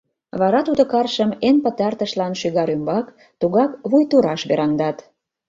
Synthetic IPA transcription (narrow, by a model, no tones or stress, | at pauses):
βɑɾɑt̪ud̪okɑrʃəmenpət̪ɑrt̪əʃlɑnʃyɣɑɾymbɑk | t̪uɣɑkβujt̪uɾɑʃβeɾɑnd̪ɑt̪